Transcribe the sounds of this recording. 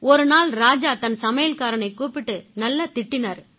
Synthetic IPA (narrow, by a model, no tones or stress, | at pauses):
ɔɾɯnaːlɾaːd͡ʒaːt̪ɐnsɐmɐjɐlkaːɾɐnɐɪkuːpɪʈːɯnɐlːɐt̪ɪʈːɪnɐɾ